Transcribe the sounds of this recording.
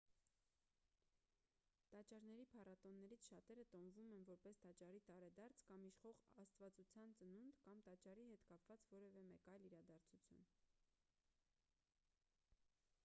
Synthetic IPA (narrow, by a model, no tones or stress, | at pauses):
t̪ɑt͡ʃɑɾnɛɾipʰɑrɑt̪ɔnːɛɾit͡sʰʃɑt̪ɛɾət̪ɔmvumɛnvɔɾpɛst̪ɑt͡ʃɑrit̪ɑɾɛd̪ɑɾt͡sʰkɑmiʃχɔʁɑst̪vɑt͡sut͡sʰjɑnt͡sənund̪kɑmt̪ɑt͡ʃɑriɦɛt̪kɑpvɑt͡svɔɾɛvɛmɛkɑjliɾɑd̪ɑɾt͡sʰut͡sʰjṵn